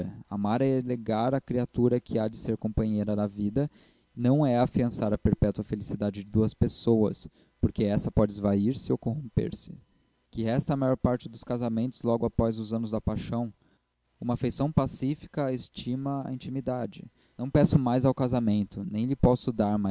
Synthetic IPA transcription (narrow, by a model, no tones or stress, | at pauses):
a̰maɾɐɛleɡaɾɐkɾiat̪uɾɐkʰɪad͡ʒɪseɾkõmpɐ̃ɲejɾɐd̪ɐvid̪ɐ | nɐ̃w̃ɛafiɐ̃saɾɐpeɾpɛt̪wɐfelisid̪ad͡ʒɪd͡ʒɪd̪uɐspesowɐ̰s | poɾkeɛsɐpɔd͡ʒɪɪzvaiɾsɪowkõhõmpḛɾsɪ̥ | kɪhɛst̪ɐːmajɔɾpaɾt͡ʃɪd̪ʊskazamẽnt̪ʊzlɔɡʊapɔzʊzɐ̃nʊzd̪ɐpajʃɐ̃w̃ | ũmɐːfejsɐ̃w̃pasifi̥kɐest͡ʃimɐa̰ĩt͡ʃimid̪ad͡ʒɪ̰ | nɐ̃w̃pɛsʊmajzawkazamẽnt̪ʊnẽj̃lɪpɔsʊd̪aɾma